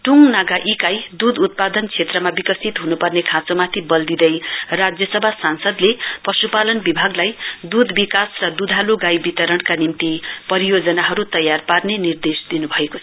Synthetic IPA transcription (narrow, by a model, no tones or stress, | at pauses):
ʈuŋnaɡaʔikajd̪ud̪ut̪̚pad̪ʌnkt͡sʰet̪rʌmabikʌsit̪ɦunupʌrnekʰãt͡somat̪ʰibʌld̪id̪ʌjrad͡zjʌsʌbʱasansʌd̪leprʌsupalʌnbibʱaɡlajd̪ud̪ʱbikasrʌd̪ud̪ʱaloɡajbit̪ʌɾʌɳkanimt̪ipʌɾijod͡zʌnaɦʌɾut̪ʌjarparnenird̪esd̪inubʱʌekot͡sʰʌ̥